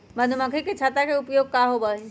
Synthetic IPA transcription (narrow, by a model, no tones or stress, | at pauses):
mənuməkʰiket͡ʃʰat̪ɾakeupjoɡ̚kaɦobə